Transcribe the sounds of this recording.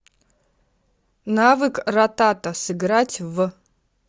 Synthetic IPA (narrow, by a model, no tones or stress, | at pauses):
navɨkrat̪at̪ɐsɨɡɾatʲvə